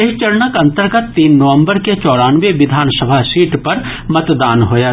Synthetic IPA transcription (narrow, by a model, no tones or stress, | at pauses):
ɐɦit͡ʃəɾnəkɐ̃nt̪əɾɡət̪ːiːnːɐʋə̃mbəɾket͡ʃɔːɽaːnʋeʋɪd̪ʱaːnsəbʱasiːʈpɐɾ | mɐt̪d̪aːnɦoːjaː